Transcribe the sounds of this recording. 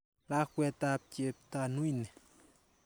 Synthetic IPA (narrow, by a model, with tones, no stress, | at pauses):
la˦kwɛ˧t̪a˧p̚ce˧p̚t̪a˧nu˦jnɛ˨